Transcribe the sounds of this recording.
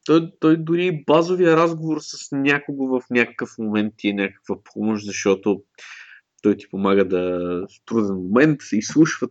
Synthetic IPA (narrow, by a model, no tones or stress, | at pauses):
t̪ɔjt̪ɔjd̪ʊɾibazovijəɾazɡovoɾsɐsnʲakoɡovɐfnʲakə̥kəfmomɛnt̪̚ːiɛnʲakə̥kvɐpʰɔmoʃd̪zɐʃt̪ɔt̪o | t̪ɔjt̪i̥pomaɡəd̪ɐst̪ɾud̪ɛnmomɛnt̪islˠuʃvə